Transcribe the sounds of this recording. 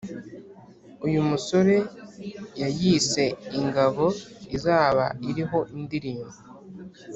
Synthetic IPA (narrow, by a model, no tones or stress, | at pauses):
ujumuso̞ɾe̞ | jajise̞iŋɡaβo̞izaːβa̰iɾiɦo̞ʔindiɾiːmo